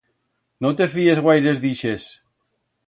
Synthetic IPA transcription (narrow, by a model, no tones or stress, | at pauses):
not̪e̞fiezɣwajɾezðiʃes